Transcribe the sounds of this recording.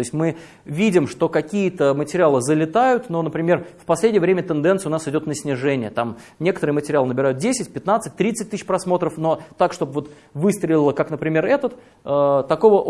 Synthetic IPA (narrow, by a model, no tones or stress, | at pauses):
oɪsʲtʲmɨ | vʲidʲɪmʂt̪o̞kɐkʲijət̪əmətʲɪɾʲɪalˠəzəlʲɪt̪ajʊt̪no̞nəpɾʲɪmʲe̞rfpɐsʲlʲedʲɪjəvɾʲemʲət̪ɨnd̪ɛnt̪sɨʊnasɨdʲo̞t̪nəsʲnʲɪʐɛnʲɪjət̪am | nʲe̞kət̪əɾɨəmətʲɪɾʲɪalˠənəbʲɪɾajʊt̪̚dʲesʲɪtʲpʲɪt̪nat̪sɨt̚ʲt̪ɾʲit̪sɨt̚ʲt̪ɨɕpɾɐsmo̞t̪ɾəfno̞t̪akʂt̪o̞bvo̞t̪ | vɨst̪ɾʲɪlʲɪlˠəkaknəpɾʲɪmʲe̞rɛt̪ət̪ | ət̪ɐko̞və